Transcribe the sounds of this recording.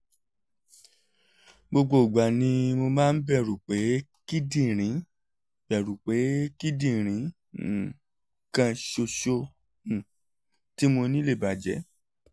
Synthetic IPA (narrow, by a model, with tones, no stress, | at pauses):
ɡ͡bo˧ɡ͡bo˧˨ɡ͡ba˨nĩ˧˦mo˧mãː˦˧n̩˦bɛ˦˨ɾu˨k͡pe˨˦ki˦dĩ˦˨ɾ̃ĩ˨˦ | bɛ˨ɾu˨k͡pe˨˦ki˦dĩ˦˨ɾ̃ĩ˨˦˨ | kã˧ʃo˧ʃo˧˨ | ti˦mo˧nĩ˦le˦˨ba˨d͡ʒɛ˨˦